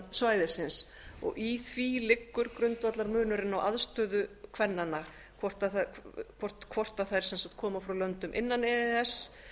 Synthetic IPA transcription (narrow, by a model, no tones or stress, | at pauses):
svaːjðɪsɪns | ɔ̰ɣʔiθvilɪkːʏɾkɾʏnt̪vat̪laɾmʏːnʏɾɪnːawʔa̰ðst̪œːðʏkʰvɛnːanːa | kʰvɔr̥t̪aθkʰvɔr̥t̪kʰvɔr̥t̪aθajɾ̥sɛnsḁkt̪̚kʰɔːmafɾawlœnt̪ʏmʔɪ̰nːanɛːðɛs